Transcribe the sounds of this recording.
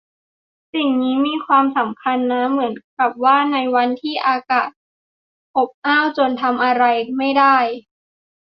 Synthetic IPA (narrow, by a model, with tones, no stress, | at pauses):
si˨˩ŋniː˦˥miː˧kʰwaː˧msa˩˦mkʰa˧nːa˦˥mɯ˩˦ənka˨˩p̚waː˥˩na˧jwa˧nt̪ʰiː˥˩ʔaː˧kaː˨˩t̪̚ | ʔo˨˩p̚ʔaː˥˩wt͡ɕo˧nt̪ʰa˧mʔa˧ɾa˧jma˥˩jdaː˥˩j